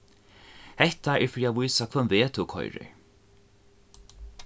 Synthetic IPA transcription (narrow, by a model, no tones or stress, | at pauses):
hɛht̪aɛɹfɾiːavujsakʰvœnveːt̪ʰuwkʰɔ̰jɾɪ̰